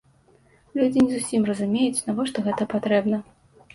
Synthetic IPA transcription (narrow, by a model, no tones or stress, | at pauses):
lʲud͡zʲinʲɛzusʲimrɐzumʲejut͡sʲnavɔʂt̪ɔɣɛt̪ɐpat̪ɾɛbnɐ